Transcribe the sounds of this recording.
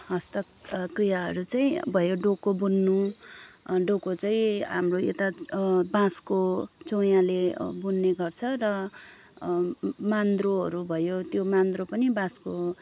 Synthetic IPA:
ɦʌst̪ʌkkrijaɦʌɾut͡saĩbʱʌjoɖokobunːu | ɖokot͡saĩɦamroḛt̪abãskot͡sojãlebunːeɡʌrt͡sʰʌrʌ | mand̪roɦʌɾubʱʌjot̪jomand̪ropʌnibãsko

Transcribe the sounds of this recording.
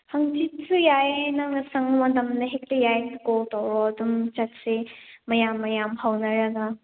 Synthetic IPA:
haŋzit̚sujajenaŋnɐsɐŋwandɐmnɐɦek̚tɐjajkoltawɾɔɐdumt͡ʃɐt̚se | mɐjamːɐjamhawnɐɾɐɡɐ

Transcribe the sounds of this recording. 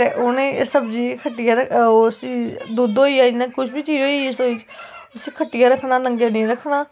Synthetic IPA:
t̪eːʔoːnẽːsəbd͡ʒiːkʰəʈɪjaːɾəkːsiːd̪uːd̪oːiːaːnãkʊt͡ʃʰbiːt͡ʃiːd͡ʒɦoːiːsoːiːt͡ʃʊsiːkʰəʈɪjaːɾəkʰːnaːləŋɡeːnĩːɾəkʰːnaː

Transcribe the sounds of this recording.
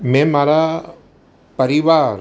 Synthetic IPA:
memaɾa | paɾiβaɾ

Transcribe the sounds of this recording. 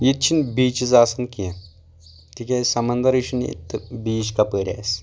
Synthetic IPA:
jit̪̚t͡ʃʰinbiːt͡ʃizaːsɐnkiã | t̪ikʲasɐmɐnd̪ɐɾiʃʰunḛt̪ːɨbiːt͡ʃkapəːɾʲa̰ːjs

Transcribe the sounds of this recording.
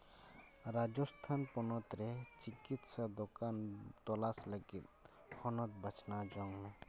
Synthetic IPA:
ɾad͡ʒɔst̪ʰanpɔnɔt̪ɾɛt͡ʃikit̪sad̪ɔkant̪ɔlasləɡit̪̚ | hɔnɔt̪̚bət͡ʃnad͡ʒɔŋmɔ

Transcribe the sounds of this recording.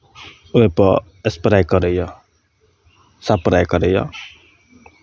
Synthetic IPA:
uepʌ | espɾajkʌɾejʌ | sapɾajkʌɾejʌ̰

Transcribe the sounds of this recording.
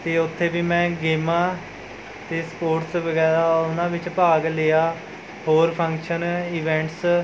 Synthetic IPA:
t̪eːʊt̪ʰːeːbiːmɛ̃ːɡeːmãː | t̪eːspoːʈsʋəɡɛːɾaːʊnãːbɪt͡ʃpaːɡleːaː | ɦoːɾpʰə̃ŋkʃəniːʋɛ̃ːɳʈs

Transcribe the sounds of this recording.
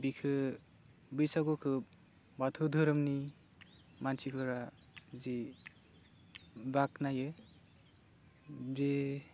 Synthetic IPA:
bikʰɯ | bɯjsaɡɔkʰɯ | batʰudʱɯɾɯmni | mantʰikʰɯɾa | zi | baknajɯ | ze

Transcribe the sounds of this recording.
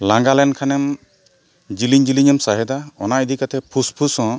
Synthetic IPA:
lãŋɡalɛnkʰanɛm | d͡ʒiliɲd͡ʒiliɲɛmsaɦɛd̪aɔ̰naid̪ikat̪ʰɛpʰuspʰusɔ̃

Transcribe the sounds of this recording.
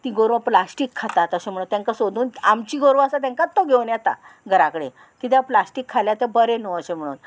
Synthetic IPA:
t̪ĩɡoɾʋəplasʈikʰːat̪at̪əɕẽm̤əɽũnt̪ãŋkasod̪ʱuːnamt͡ɕiːɡoɾʋəəsat̪̬jãŋkat̪ːoɡʱewnjɛt̪a̰ɡʱəɾakəɽḛ | kit̪̬eplasʈiːkʰːaljat̪ebəɾenoəɕem̤əɽṵːn

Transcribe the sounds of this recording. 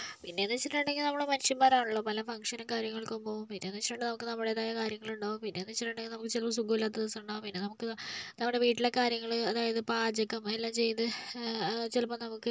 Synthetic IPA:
pinːe̞nːɐt͡ɕːiʈːɐɳɖe̞ŋɡilnɐmːuɭemɐniɕjɐmːaːɾaːɳuɭːoːpɐlɐfɐŋʂɐnɐmkaːɾjɐŋːɐɭkomboːumpinːenːɐt͡ɕːiʈːɐɳɖɨnɐmukːɨnɐmːuɽeðaːjɐkaːɾjɐŋːɐɭuɳɖaːʋumpinːe̞nːɐt͡ɕːiʈːuɳɖeŋɡilnɐmukːɨt͡ɕelpɐs̬uɡuilːaːt̪ːɐðɐsɳɖaːpinːe̞nɐmukːɨnɐmːuɽe̞ʋiːʈːile̞kaːɾjɐŋːɐɭɨɐðaːjɐðɨpaːd͡ʑɐkːɐmɐelːaːmt͡ɕe̞jːnːɨ | t͡ɕelpːɐnɐmukːɨ

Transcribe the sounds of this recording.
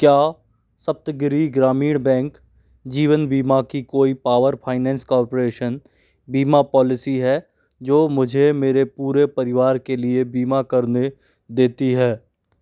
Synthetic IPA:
kjaː | sɐb̚t̪ɡɪɾiɡɾaːmiːɽbɛ̃ːŋk | d͡ʒiːʋənbiːmakikoːipaːʋəɾpʰaːɪnɛ̃ːnskɔːɾpəɾeːʃən | biːmapɔːlɪsiɦɛ | d͡ʒoːmʊd͡ʒʱemeːɾepuːɾepɐɾɪʋaːɾkeliebiːmakɐɾne | d̪eːt̪iɦɛː

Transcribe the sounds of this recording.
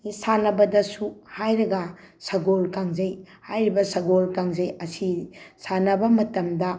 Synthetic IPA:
isanɐbɐdɐsuhajɾɐɡɐsɐɡolkaŋd͡ʒɐj | hajɾibɐsɐɡolkaŋd͡ʒɐjɐsisanɐbɐmɐtɐmdɐ

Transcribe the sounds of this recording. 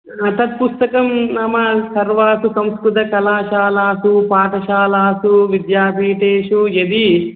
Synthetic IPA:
ɐt̪ɐt̪̚pust̪ɐkɐmɐmɐsɐɾʋaːsusɐmskɾut̪ɐkɐlaːʃaːlaːsupaːʈɐʃaːlaːsuʋid̪jaːpiːʈeːʂued̪i

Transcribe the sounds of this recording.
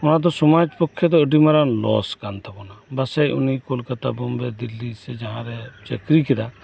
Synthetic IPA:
ʊnãt̪̬ɔsɔmaːd͡ʒpɔkʰːet̪ɔəɖimaɾanlɔ̰ːskant̪ʰabɔnabɐsɛjʊ̰nikolkət̪a̰bɔmbɛd̪ɪlːisɛd͡ʒɐɦãɾɛt͡ʃɐkɾikɪd̪aː

